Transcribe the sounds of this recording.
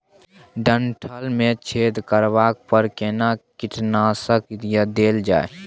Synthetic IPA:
ɖəɳʈʰəlmẽt͡ʃʰeːd̪kəɾʋaːk̚pəɾkenakɪʈnaːsəkt̪ijad̪eːld͡ʒa̰ːe

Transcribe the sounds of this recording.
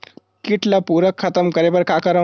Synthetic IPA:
kiʈʰlapuɾəkʰːət̪əmkəɾebəɾkakəɾə

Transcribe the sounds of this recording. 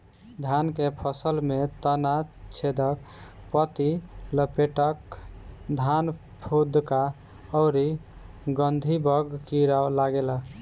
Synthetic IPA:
d̪ʱankepʰəsəlmet̪ənat͡ʃʰed̪ək̚ | pət̪iləpeʈək | d̪ʱan | pʰud̪ka | ɔʊɾi | ɡənd̪ʱibəɡkiɾaolaɡela

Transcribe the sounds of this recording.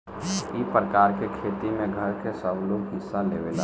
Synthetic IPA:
ipɾəkaːɾkekʰeːt̪imẽɡʱəɾkesəbloːɡɦɪsːaleːʋela̰

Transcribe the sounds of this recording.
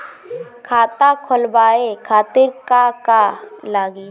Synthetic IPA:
kʰaːt̪akʰʊlbaːekʰaːt̪ɪɾkakalaːɡiː

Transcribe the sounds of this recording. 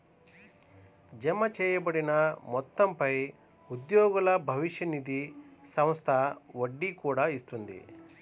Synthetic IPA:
d͡ʒɐmɐt͡ʃɛːjɐbɐɽinɐmɔt̪ːɐmpɐj | ud̪joːɡulɐbʱɐʋiʃjɐnid̪isɐmst̪ʰɐoɖːikuːɽɐist̪und̪ḭ

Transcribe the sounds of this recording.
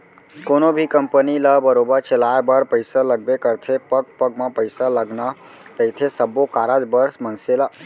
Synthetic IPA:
konobʱikəmpəniləbəɾobəɾt͡ʃʰelaebəɾpəɪsaləɡ̚bekəɾt̪ʰepək̚pəɡ̚mãpəɪsaləɡna | t̪əɪt̪ʰesəbːokaɾad͡ʒbəɾsmənsela

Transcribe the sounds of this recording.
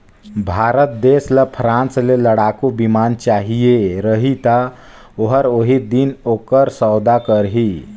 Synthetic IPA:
bʱaːɾət̪̚d̪eːsləpʰɾãːnsleləɽakubimaːnt͡ʃaːɦijeɾəɦit̪a | oɦəɾoɦid̪inokəɾsɔwd̪akəɾɦi

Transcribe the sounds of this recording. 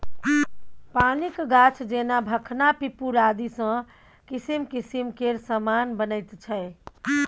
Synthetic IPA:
panikɡat͡ʃʰd͡ʒenabʱəkʰnapipuɾad̪isə̃ | kisimkisimkeɾsəmanbənəɪt̪t͡ʃʰəɪ

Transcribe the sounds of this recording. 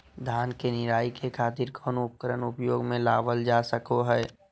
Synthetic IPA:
d̪ʱaːnkenɪɾaːikʰekʰaːt̪ɪɾkʰɔːnʊp̚kəɾənʊpjoːɡmẽlaːʋəld͡ʒasəkoɦɛː

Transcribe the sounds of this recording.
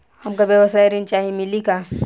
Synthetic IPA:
hɐmkabjɐʋəsaːjɾint͡ʃaːɦimɪlikaː

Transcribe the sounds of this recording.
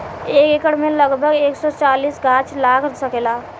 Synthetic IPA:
eːkekəɽmẽləɡbʱəɡeːksɔt͡ʃaːliːsɡaːt͡ʃʰlaːkʰɾsəkelaː

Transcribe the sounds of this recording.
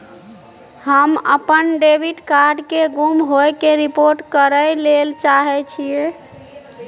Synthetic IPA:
həmə̰pənɖebʱiɖkaɾɖkeɡumɦojkeɾipoɾʈkəɾəjlelt͡ʃaɦɛt͡ʃʰie

